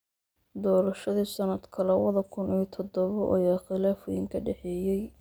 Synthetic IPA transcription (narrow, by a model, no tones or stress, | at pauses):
d̪ɔːɾɐʃɐðiːsɐnɐd̪kʰɐlɛwɐðɐkʰʊniːt̪ʰɔd̪ɔβɔʔɔ̰jaːχɪlaːfʊjɪŋkʰɐɖɛħɛːjɛj